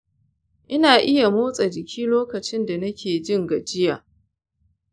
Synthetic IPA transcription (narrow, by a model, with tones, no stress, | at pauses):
ʔɪ˦naː˨ʔɪ˦ja˨moː˦sʼa˨d͡ʒɪ˨kʲiː˦loː˦kɐ˨t͡ʃɪ˦nda˨nɐ˦kʲʰeː˨d͡ʒɪ˦˨ŋɡɐ˨d͡ʒɪ˦jaː˨